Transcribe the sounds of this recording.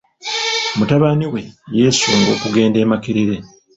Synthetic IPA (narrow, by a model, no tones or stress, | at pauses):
mutaβaniwe̞je̞ːsuːŋɡo̞ːkuɡe̞ːnde̞ːmakiɾiɾe̞